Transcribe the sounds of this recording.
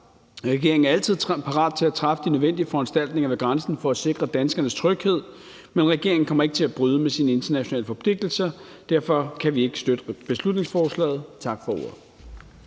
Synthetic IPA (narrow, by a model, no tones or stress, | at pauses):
ʁɛɡ̥e̝ɐeŋ̩æɐælt͡sʰið̞̰ˠpʰɑ̈ʁɑ̰̈ːd̥̚t͡sʰe̝læt͡sʰʁɑ̈fəd̥inøðˠen̰d̥iəfɒ̽ænsd̥æl̰d̥ne̝ŋɐʋe̝ɡ̥ʁɑnsn̩fɒ̽æse̝ɡ̥ʁɐd̥ænsɡ̥ɐnəst͡sʰʁœɡ̥he̝ð̞̰ˠ | menʁɛɡ̥e̝ɐŋn̩kʰɒ̽mɐe̝ɡ̥ə̥t͡sʰe̝læb̥ʁyðˠəmesinəe̝nd̥ɐnæɕo̝nɛ̰ːləfɒ̽pʰle̝ɡ̥̚d̥l̩sɐ | d̥æɐ̰fɒ̽kʰæʋie̝ɡ̥ə̥sd̥ød̥əb̥e̝slud̥ne̝ŋsfɒːslɛ̰ːð̩ˠt͡sʰɑ̈ɡ̥fɒ̽o̝̰ːɐ̰ðˠ